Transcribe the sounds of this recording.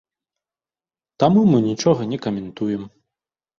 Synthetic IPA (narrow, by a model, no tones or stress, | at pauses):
t̪amumɨnʲit͡ʂɔɣɐnʲɛkɐmʲɛnt̪ujɛm